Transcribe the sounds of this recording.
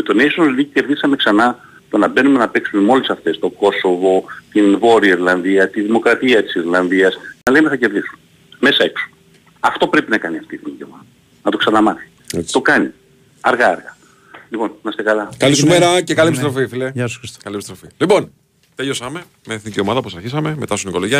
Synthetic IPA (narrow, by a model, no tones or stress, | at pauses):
met̪o̞ne̞jʃonɐlðiice̞ɾðisɐme̞ksɐnɐ | t̪onɐbe̞nume̞nɐpe̞ksume̞mo̞lisɐft̪e̞st̪o̞ɡo̞so̞vo̞t̪invo̞ɾiɐiɾlɐnðiɐt̪iðimo̞kɾɐt̪iɐt̪i̥siɾlɐnðiɐsnɐlemeθɐce̞ɾðisu̥n | me̞sɐe̞kso̥ | ɐft̪o̞pɾe̞pinɐkɐniɐft̪iðiiceomɐt̪ | nɐt̪o̞ksɐnɐmɐθi̥ | et͡st̪o̞kɐni | ɐɾɣɐɐɾɣɐ | lipo̞nimɐst̪ekɐlɐkɐlisumeɾɐcekɐliepisst̪ɾo̞fifileʝɐso̥sxɾiso̥kɐliepist̪ɾofilipo̞n | t̪ejosɐme | meθiniciomɐðɐoposɐɾçisɐme̞me̞t̪ɐst̪iniko̞loʝiɐ